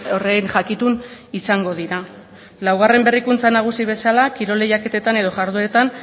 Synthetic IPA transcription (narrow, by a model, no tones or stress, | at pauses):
orenʝakit̪unisaŋɡo̞ðiɾa | lawɣ̞are̞mbe̞rikunt͡sanaɣ̞usiβ̞e̞salakiɾo̞le̞jake̞t̪e̞t̪ane̞ð̞o̞ʝaɾðue̞t̪an